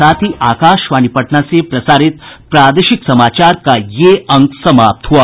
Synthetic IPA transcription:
aːt̪ʰiʔaːkaːʃʋaːnipɐʈɳasepɾɐsaːɾit̪̚pɾaːd̪eʃiksɐmaːt͡ʃaːɾkajeɐŋɡsɐmaːp̚t̪ɦua

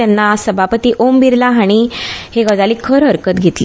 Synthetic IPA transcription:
anːasəbʱapət̪iːʔombiɾlaɦaɽ̃iheɡəd͡zaliːkʰəɾɦəɾkət̪ɡʱet̪li

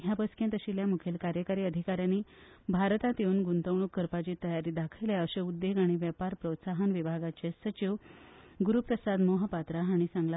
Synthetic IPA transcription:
ɦjabəskẽnt̪əɕiljamukʰelkaɾjəkaɾiːəd̪ʱikaɾjanːiː | bʱaɾt̪at̪eunɡunt̪əʋɳukːəɾpat͡ɕiːt̪əjaɾiːd̪akʰəjljeəɕeud̪ːeɡaɽ̃iʋjəpaɾpɾot̪saɦənʋibʱaɡat͡ɕesət͡ɕiʋɡuɾupɾəsad̪moɦəpat̪ɾaɦaɽ̃isãŋɡla

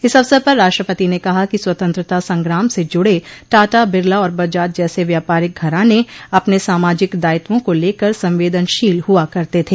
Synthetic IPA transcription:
ɪsɐʋsəɾpɐɾːaːʃʈɾəpət̪inekɐɦakiswɐt̪ə̃nt̪ɾət̪asɐ̃ŋɡɾaːmsed͡ʒʊɽeʈaːʈabɪɾlaɔːɾbɐd͡ʒaːt̪̚d͡ʒɛːseʋjaːpaːɾɪk̚ɡʱɐɾãneɐpnesaːmaːd͡ʒɪkd̪aːɪt̪wõkoleːkəɾsɐ̃mʋeːd̪ənʃiːlɦuakɐɾt̪et̪ʰeː

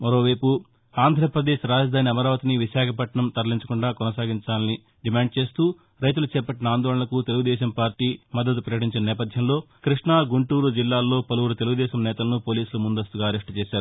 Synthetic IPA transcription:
mɐɾo̞ːʋɐjpu | aːnd̪ʱɾɐpɾɐd̪eːʃɾaːd͡ʒɐd̪ʱaːniɐmɐɾaːʋɐt̪iniʋiʃaːkʰɐpɐʈɳɐmt̪ɐɾliɲt͡ʃɐkuɳɖaːkɔnɐsaːɡiɲt͡ʃaːlɐni | ɖimaːɳɖ̚t͡ʃe̞ːst̪uː | ɾɐjt̪̬ulut͡ʃɛːpɐʈːinɐaːnd̪ɔːɭɐɳɐlɐkut̪eluɡud̪ɛːʃɐmpaːɾʈiːmɐd̪ːɐd̪upɾɐɾjɐʈ̬iɲt͡ʃinɐnɛːpɐd̪ʱjɐmlo̞ː | kɾiʂɳaːɡuɳʈuːɾud͡ʒilːaːlːo̞ːpɐluwuɾut̪eluɡud̪ɛːʃɐmnɛːt̪ɐlɐnupo̞ːliːsulumund̪ɐst̪uɡaːɐɾeʂʈt͡ʃɛːʃaːɾu

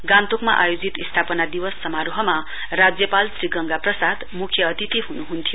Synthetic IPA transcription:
ɡãnt̪okma̰ʔa̰jod͡zit̪ist̪ʰapʌnad̪iwʌsːʌmaɾoɦʌma | rad͡zjʌpalsriɡʌŋɡaprʌsad̪mukʰjʌːt̪it̪iɦunuɦunt̪ʰijo

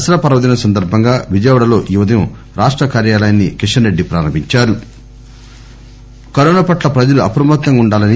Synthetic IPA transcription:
ɐsɐɾɐpɐɾɐʋɐd̪inɐsɐnd̪ɐɾbʱɐŋɡaːʋid͡ʒɐjʋɐɽɐlo̞ːʔiʋɐd̪ɐju | ɾaːʂʈɾɐkaːɾjaːlɐjɐnːikiʂɐnɾeɖːipɾa̰ːɾɐmbʱiɲt͡ʃaːɾu | kɐɾɔːnapɐʈlɐpɾɐd͡ʒɐluɐpɾɐmɐt̪nɐŋuɳɖaːlɐni

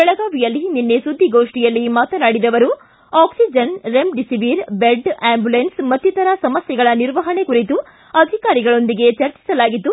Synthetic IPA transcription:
bɛɭɐɡaːʋijɐlːininːesud̪ʱːiɡoːʂʈijɐlːimaːt̪ɐnaːɽid̪ɐʋɐɾu | aːksid͡ʒɐnɾemɖisiʋiɾbeɖaːmbjulensmɐt̪jit̪ɐɾɐsɐmɐsjɛɡɐɭɐniɾʋɐɦɐɳe̞kuɾit̪u | ɐd̪ʱikaːɾiɡɐɭo̞nd̪iɡe̞t͡ʃɐɾt͡ʃi̥sɐlaːɡit̪ːu

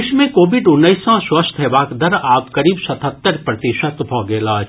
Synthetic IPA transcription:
ʃmẽkoːʋɪɖʊnːəisɔ̃swɐst̪ʰeʋaːkd̪ɐɾaːpkɐɾiːbsɐt̪ʰət̪ːəɾpɾɐt̪ɪʃət̪bʱɔːɡeːlaːd͡ʒ

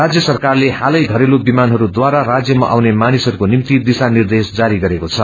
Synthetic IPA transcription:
rad͡zjʌsʌrkarlehalʌjɡʱʌɾelobimanɦʌɾud̪waɾarad͡zjʌma̰ʔawnemanisɦʌɾukonimt̪id̪isanird̪esd͡zaɾiɡʌɾekot͡sʰʌ

